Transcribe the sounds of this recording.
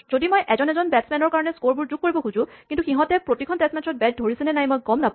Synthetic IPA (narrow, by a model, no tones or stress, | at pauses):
zodimojʔɛzɔnɛzɔnbɛtsmɛnɔɹkaɹɔnɛskoɹbuɹzuɡ̚kːoɹibɔxuzʊ̃kintuxiɦɔ̃tɛpɹotikʰɔntɛsmɛtʰɹɔt̚bɛt̚dʱoɹisɛnɛnajmojkɔmnap